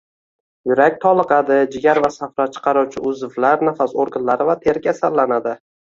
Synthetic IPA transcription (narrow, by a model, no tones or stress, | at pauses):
jʊɾakʲt̪ʰɒlˠɨqɑd̪ɪd͡ʒɪɡʲaɾvasafɾat͡ʃʰɨ̥qʰɑɾɒwt͡ʃʰɪʔʊzɪflaɾnafasoɾɡʲɪnlaɾɪvat̪ʰe̞ɾkʲasalːanad̪ɪ